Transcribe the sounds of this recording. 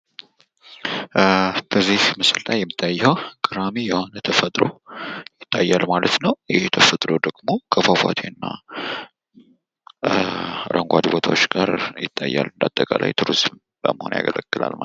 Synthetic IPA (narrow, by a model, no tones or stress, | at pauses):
b̥əzːihmɨsɨllajːɛmːit̪ʰːajːwkʼɨɾamijɛho̞nət̪ʰəfət̪ʼɾo̞̰jɪt̪ʰːajːalmalət̪nəwɪhet̪ʰəfət̪ʼɾo̞d̪əɡmo̞kʰəfafa̰t̪ʰenːa | ɾəŋɡʷad̪ibot̪ʰawot͡ʃːɡaɾjɪt̪ʰʼːajːa̰lːɨnd̪at̪ʼːəkʼalʔa̰jt̪ʰuɾizm | bəməhonja̰ɡələɡ̥ːɨla̰lma